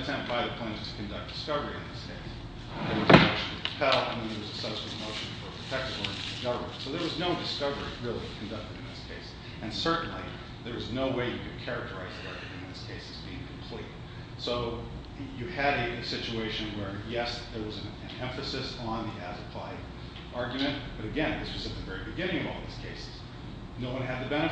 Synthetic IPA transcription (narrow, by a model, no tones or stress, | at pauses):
tʰɛ̃mpt̚b̥aɪðɨpʰɛ̃ɪ̃z̥tʰɨ̥kɨ̃ndʌk̚d̥ɨ̥skʌvə˞iɨ̰̃nðɪskʰeɪs | ðɨt̚wʌzækʃɨ̃n̩ɨkʰɨ̥pʰɛlˠa̰ɪmĩŋət̚wʌzəsʌɾskɨmoʊʃɨ̃n̩fə˞pʰɹ̥ɨtʰɛk̚tɨvɔ̃˞tʰɨdɨɡʌvə̰̥˞soʊðə˞wʌznoʊdɨskʌvə˞iɹɪlˠikʰn̩dʌk̚tɨɾɨ̃nðɪskʰeɪs | ʔɨ̃nsɜ˞ʔn̩lḭ | ðə˞wʌznoʊweɪjɨkʰɨd̚kʰɛɹɨk̚tʰə˞aɪzðiɑ̰ɹjɨmɨ̃m̃ɨ̃n̩ðɪ̥z̥kʰeɪsɨzbiɪ̃ŋkʰm̩pʰl̥ḭt̚ | soʊ | jɨɨɾɨɨsɪt͡ʃueɪʃɨ̃nwə˞jɛsðə˞wʌz̃nɨ̃nɛ̃ɱfɨsɨsn̩ðiʔæ̰zəpʰa̰ɪd | ʔɑɹɡjɨmɨ̃nb̥ʌɾɨɡɛ̃nðɪswʌzɨt̪̚ðɨvɛɹibɨɡɪ̃ñɪ̃ŋʌvɔ̰lˠðɪz̥kʰeɪsɨ̥z̥ | noʊwʌ̃nɨd̪̚ðɨbɛnɨ